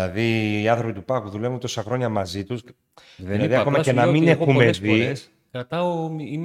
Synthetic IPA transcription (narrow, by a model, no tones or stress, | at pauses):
ɐðiːɐnθɾopit̪upɐkuðulevunt̪o̞sɐxɾoɲɐmɐzit̪us | ðenðiɐkomɐcenɐminexumezvis | kɾɐt̪ɐoi